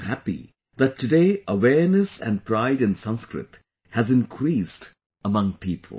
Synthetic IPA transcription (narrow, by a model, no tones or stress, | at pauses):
hæpḭ | ðætʰːɨdeːəwɛɹnɨsæ̰̃n̚pʰɾaɪɾɨ̃nsʌ̃nskɾɪ̰t | hæzɨ̃nkʰɾiːst | əmʌ̃ŋpʰipʰə̰l̩ˠ